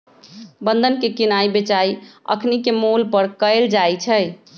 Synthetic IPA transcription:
bənd̪ʱənkekinaibet͡ʃaiə̰kʰnikemulpəɾkəɪld͡ʒajt͡ʃʰəj

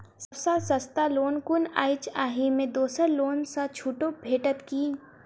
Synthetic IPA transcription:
sɐbsasɐst̪aloːnkʊna̰ːɪt͡ʃaːɦimẽd̪oːsəɾloːnsãt͡ʃʰuːʈõbʱeːʈət̪kiː

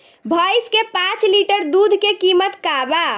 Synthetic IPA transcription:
bʱəjskepãt͡ʃliʈəɾd̪ud̪ʱkekimət̪kaba

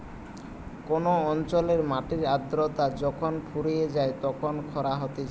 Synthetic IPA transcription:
konoɔnt͡ɕoleɾmaʈiɾad̪ɾot̪ad͡ʑɔkʰonpʰuɾijed͡ʑaet̪ɔkʰonkʰɔɾaɦot̪et͡ɕ

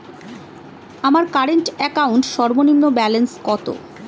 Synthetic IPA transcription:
amaɾkaɾeɳʈɛkauɳʈʃɔɾbonimnobɛlenskɔt̪o̰

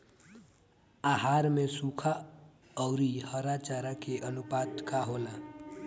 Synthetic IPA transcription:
aɦaɾmesukʰa | ɔʊɾihəɾat͡ʃaɾakeʔənupad̪kaɦola

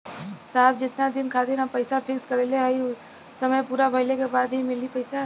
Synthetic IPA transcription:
saːbd͡ʒɪt̪nad̪ɪnkʰaːd̪enapɐɪsafʰɪkskɐɾeleɦɐi | sɐməjpuːɾabʱɐɪlekebaːd̪ɦimɪlipɐɪsa

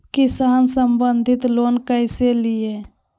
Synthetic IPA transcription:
kɪsaːnsəmbənd̪ʱɪt̪loːnkəɪselɪe

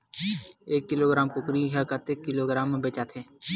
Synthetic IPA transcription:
eːkːɪloːɡɾaːmkokɾiːɦakət̪eːkːɪloːɡɾaːmːẽbeːt͡ʃaːt̪ʰeː

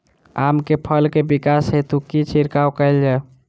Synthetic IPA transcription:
amkepʰəlkebikasɦet̪ukːit͡ʃʰiɾkawkəɪld͡ʒa

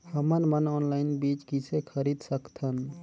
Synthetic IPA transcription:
həmənmənɔnlaɪnbit͡ʃkisʰekʰəɾid̪səkt̪ʰən

